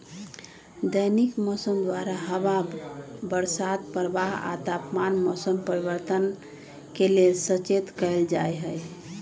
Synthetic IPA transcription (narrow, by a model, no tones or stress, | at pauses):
d̪əjnikmɔsəmd̪waɾaɦəβabəɾsad̪̚pəɾəbaɦa̰t̪apmanmɔsəmpəɾiβəɾt̪ən | kelelsət͡ʃet̪kəjld͡ʒajɦəj